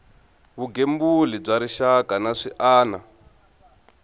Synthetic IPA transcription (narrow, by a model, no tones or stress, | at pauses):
βuɡembulib͡ʐaɾiʃakʼanaʂiʔaːna